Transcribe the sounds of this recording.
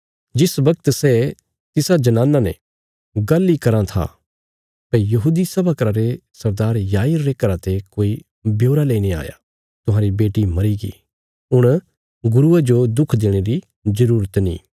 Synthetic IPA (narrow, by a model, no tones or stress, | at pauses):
d͡ʒɪsbɐkt̪sɛ | t̪ɪsad͡ʒɐnãːnːanḛ̃ | ɡɐlːikɐɾãt̪ʰa̰ | pɐjɐɦuːd̪isɐbakɾaɾesɐɾd̪aːɾjaːiɾːeːkəɾat̪ekoːi | bjoːɾaleːñea̰ːja̰ | t̪ʊɦãːɾibeːʈimɐɾiɡḭ | ɦʊɽ̃ | ɡʊɾuad͡ʒod̪ʊkʰd̪eːɽ̃eɾi | zɐɾuːɾət̪nḭː